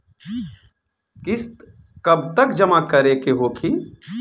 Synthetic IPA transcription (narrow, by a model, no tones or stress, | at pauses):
kɪst̪ | kɐb̚t̪əkd͡ʒɐmakəɾekeɦoːkʰi